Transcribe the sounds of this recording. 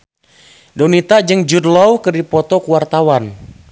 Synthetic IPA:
donit̪ad͡ʒɨŋd͡ʒudlɔwkədipɔt̪ɔkuwart̪awan

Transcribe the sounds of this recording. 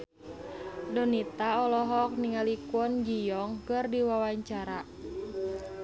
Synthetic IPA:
dɔnit̪aɔlɔɦɔk̚niŋalikuɔnd͡ʒijɔŋkɨrdiwawaɲt͡ʃaɾa

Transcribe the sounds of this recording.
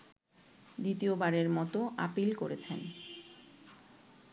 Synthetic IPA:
d̪it̪iobaɾeɾmɔt̪oʔa̰pilkoɾet͡ɕʰen

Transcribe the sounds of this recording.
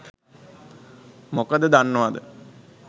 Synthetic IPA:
mokəd̪əd̪anːəʋad̪ə̰

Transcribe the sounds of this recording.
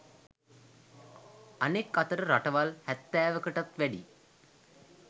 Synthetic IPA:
ɐnekːɐt̪əɾəɾaʈɐʋɐlhæt̪ːæːʋəkəʈɐt̪ʋɛɖḭ

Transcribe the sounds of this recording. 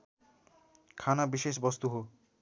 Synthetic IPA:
kʰanabiʃeʃbɔst̪uɦo

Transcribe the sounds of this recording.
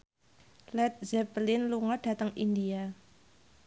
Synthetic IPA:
lɛt̪̚zɛplɪnluŋɔɖ̥a̤t̪əŋindia

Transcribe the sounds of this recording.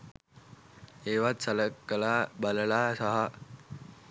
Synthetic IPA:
eːʋat̪̚sələkːəlaːbələlaːsaɦə

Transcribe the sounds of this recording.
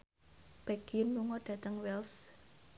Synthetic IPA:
b̥aɡ̥iʊnmuŋɔɖ̥ä̤t̪əŋwɛls

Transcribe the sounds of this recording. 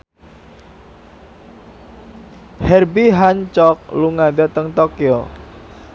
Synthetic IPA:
hɛrbiɦaɲt͡ʃɔk̚luŋad̪at̪əŋt̪okio

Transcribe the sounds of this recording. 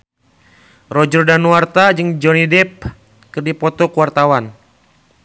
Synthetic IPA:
rɔd͡ʒərdanuart̪ad͡ʒɨŋd͡ʒɔnidɛp̚ | kɨrdipɔt̪ɔkuwart̪awan

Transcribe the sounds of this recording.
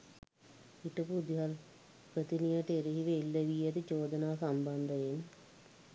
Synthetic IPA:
iʈəpud̪ɦal | pɾət̪inijəʈeɾiɦiʋeilːəʋijət̪əd͡ʒoːd̪ənaːsamband̪əjen

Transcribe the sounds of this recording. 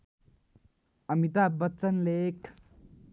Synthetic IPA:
ɐmit̪abɐt͡s̪ːənlek

